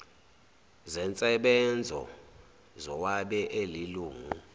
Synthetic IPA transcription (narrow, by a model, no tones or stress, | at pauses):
zɛnt͡sʼɛɓɛnd͡zʱɔ̰ | zɔwaɓɛʔeliluːŋu